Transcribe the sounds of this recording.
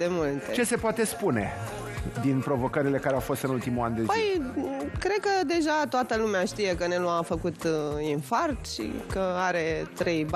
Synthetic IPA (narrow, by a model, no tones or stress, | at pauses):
emult̪et͡ʃese̞poat̪e̞spune̞ | d̪inpɾo̞vo̞kəɾile̞kaɾeawfo̞st̪ɨnult̪imuland̪epəj | kɾe̞d̪̚kəd̪e̞ʒat̪oat̪əlumeaʃt̪ije̞kəneloamfəkut̪infart̪ʃḭkəaɾe̞t̪ɾe̞jb